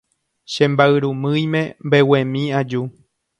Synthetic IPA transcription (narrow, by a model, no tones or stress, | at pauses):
ʃẽmbaɨɾumɨ̃jmẽ̞mbewẽ̞mĩad͡ʒu